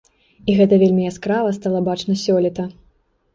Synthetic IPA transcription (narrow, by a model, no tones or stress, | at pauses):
iɣɛt̪ɐvʲelʲmʲijaskɾavɐst̪alˠɐbat͡ʂnɐsʲɔlʲit̪ɐ